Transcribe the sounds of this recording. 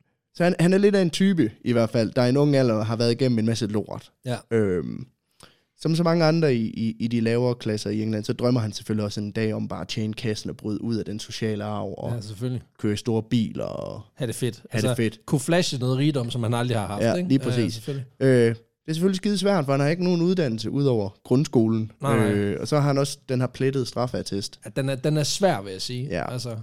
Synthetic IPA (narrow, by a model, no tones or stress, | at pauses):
sɒ̽hænhænæɐle̝dæe̝nt͡sʰyːb̥əʔiʋæɐ̰d̥fæl̰d̥ɑ̈æe̝nɔ̽ŋæl̰ɐɦɑ̈ʋæɐð̞ˠiɡ̥em̰m̩e̝nmæsəlo̝̰ɐ̰ð̥ˠøm | sɒ̽ms̬ɒ̽mɑ̈ŋəɑ̈nd̥ʁɐiʔiːd̥ilɛːʊɐːkʰlæsɐieŋlænsɒ̽d̥ʁɶm̰ɐɦænse̥føliɒ̽seend̥ɛ̰ːɒ̽mb̥ɑ̈ːt͡ɕʰeːnkʰæsn̩ɒ̽b̥ʁyð̞ˠʔuð̞̰ˠæd̥enso̝ɕɛ̰ːləɑ̈ʊ̰ɒ̽sefølikʰøːɐsd̥o̝ːɐb̥ḭːlɒhæd̥efed̥hædefe̝d̥kʰuflæɕənɔ̽ːðˠʁiːd̥ɒ̽m̰sɒ̽mhænɑ̈ld̥ʁihɑ̈hɑ̈fjæ̥e̥liːpʰɛs̬ḭːsø | d̥e̝ɐsefølisɡ̥ið̩ˠs̬ʋæɐ̰d̥fɒ̽hænhɑ̈e̝ɡ̥əno̝ːnuð̞ˠd̥æn̰l̩səʔuð̞̰ˠɒʊ̰ɐɡ̥ʁɔ̽nsɡ̥o̝ːln̩øɒ̽sɒ̽ɦɑænɒ̽sd̥enɦɑ̈pʰled̥əð̞̩ˠsd̥ʁɑ̈fæt͡sʰesd̥d̥enæɐd̥enæɐsʋæɐ̰ʋe̝jæsiːjæ̰ælsɐ